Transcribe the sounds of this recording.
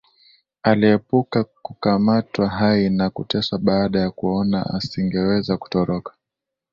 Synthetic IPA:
aliɛpukakukamatwaɦainakutɛsaɓaːɗajakuɔna̰a̰siŋɡɛwɛzaku̥tɔɾɔkḁ

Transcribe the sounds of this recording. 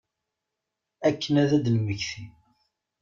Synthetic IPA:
ækːənæðæd̪nwəçθi

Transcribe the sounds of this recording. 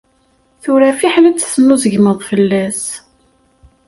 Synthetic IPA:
θʊɾæfiħlæt͡sːθənːuzəʝməðˤfəlːæs

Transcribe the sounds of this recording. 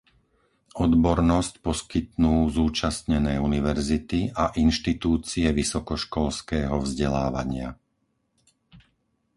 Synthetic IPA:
ɔd̪bɔɾnɔscpɔskit̪̚nuːzuːt͡ʃast̪ɲɛnɛːuniʋɛɾzit̪iaʔinʃt̪it̪uːt͡siɛʋisɔkɔʃkɔlskɛːɦɔvzɟɛlaːʋa̰ɲɪa̰

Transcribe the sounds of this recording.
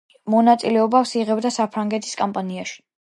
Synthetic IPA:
mɔnat̪sʼilɛɔbafsiʁɛbd̪asapʰɾaŋɡɛt̪ʰi̥skʼampʼaniaʃi̥

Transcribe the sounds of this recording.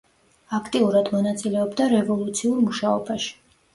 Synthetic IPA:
akʰt̪ʼiuɾad̪mɔnat̪sʼilɛɔbd̪aɾɛvɔlˠut̪sʰiuɾmuʃaɔbaʃi̥

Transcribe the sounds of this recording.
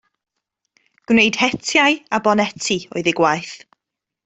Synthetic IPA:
ɡ̥wnejd̥hɛtʰjaɨabɔnɛtʰiɔ̰ɨðɪɡwajθ

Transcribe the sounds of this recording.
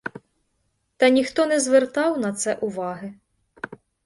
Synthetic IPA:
t̪ɐnʲixt̪ɔnɛzʋɛrt̪ɑwnɐt̪sɛʔuʋɑɦɨ

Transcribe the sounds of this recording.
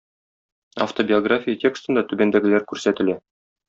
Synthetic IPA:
ɐ̰ft̪obʲɪoɡrafʲijətʲe̞kst̪ɤ̆nd̪ɑt̪ʉbænd̪æɡɘ̆læɾkʉɾsæt̪ɘ̆læ

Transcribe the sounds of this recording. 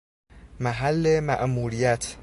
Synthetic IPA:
mæɦælːemæ̰ʔmuːɾijæt̪ʰ

